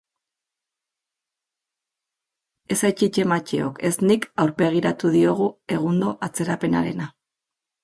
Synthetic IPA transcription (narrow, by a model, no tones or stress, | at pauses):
e̞sajt͡ʃit͡ʃe̞mat͡ʃeo̞̰ke̞snikawɾbe̞ɣ̞iɾat̪uð̞io̞ɣ̞ue̞ɣ̞und̪o̞ʔat͡se̞ɾape̞na̰ɾe̞̰na